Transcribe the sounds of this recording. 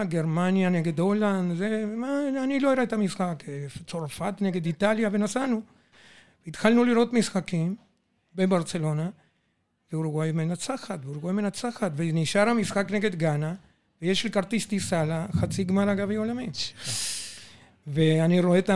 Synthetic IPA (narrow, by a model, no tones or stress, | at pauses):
ɡe̞ɾmanjaneɡe̞d̪o̞land̪zemaaniloiɾaet̪amisxaket͡so̞ʁfat̪neɡe̞d̪it̪aljave̞nasanu | veit̪xalnuliɾo̞t̪misxakim | bebaʁt͡selo̞na | veuɾuɡwajmenat͡saxat̪veuɾuɡwajmenat͡saxat̪veniʃaɾhamisxakne̞ɡe̞d̪ɡana | vejeʃelkaɾt̪ist̪isalaxat͡siɡmaɾaɡaviolami | veaniɾoet̪a